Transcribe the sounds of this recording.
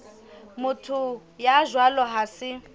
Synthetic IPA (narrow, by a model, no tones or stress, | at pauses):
mʊtʰujaʒwalɔɦasɪ